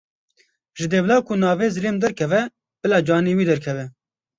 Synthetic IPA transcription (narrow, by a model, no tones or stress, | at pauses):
ʒɨd̪eːvlɑːkʰʊnɑːveːzɨleːmd̪ɛɾkʰɛvɛ | b̥ɨlɑːd͡ʒɑːniːwiːd̪ɛɾkʰɛvɛ